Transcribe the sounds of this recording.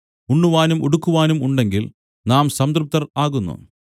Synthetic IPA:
uɳːuʋaːnumoɽukːuʋaːnumuɳɖe̞ŋɡil | naːmsɐmd̪rup̚t̪ːɐraːɣunːṵ

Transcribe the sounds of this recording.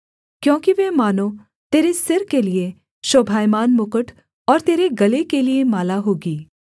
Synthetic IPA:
kjõːkiʋɛːmaːnõ | t̪eːɾesɪɾkelie | ʃoːbʱaːjmaːnmʊkəʈʰ | ɔːɾt̪eːɾeɡɐlekeliemaːlaɦoːɡiː

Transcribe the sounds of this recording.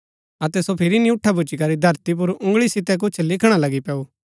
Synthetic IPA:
ɐt̪ɛsopʰɪɾinĩʊʈʰːabʊt͡ʃikɐɾid̪ʱɐɾt̪ip̬ʊɾʊ̃ŋɡɭisɪt̪ɛk̬ʊt͡ʃʰlɪkʰɽ̃alɐɡipɛːu

